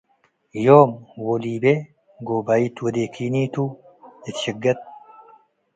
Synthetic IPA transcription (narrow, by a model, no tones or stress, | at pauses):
joːmwɔliːbe | ɡobait̪wɐd̪eːkʰiːniːt̪u | ɪt̪ʃɪɡːɐt̪̚